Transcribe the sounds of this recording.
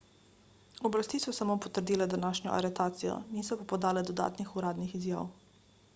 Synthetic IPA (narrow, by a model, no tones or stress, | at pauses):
ɔblast̪iːsɔsamoːpɔt̪əɾd̪iːlɛd̪anaːʃnɔ̰ʔa̰ɾɛt̪aːt̪sijɔ̰nisɔpapɔd̪aːlɛd̪ɔd̪a̰ːt̪nixuɾaːd̪nixizja̰ːw